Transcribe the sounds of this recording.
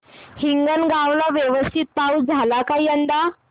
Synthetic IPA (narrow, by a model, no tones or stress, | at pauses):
hiŋɡənɡaʋlaʋjeʋəst̪ʰit̪̚pawd͡zʱalakaiənd̪a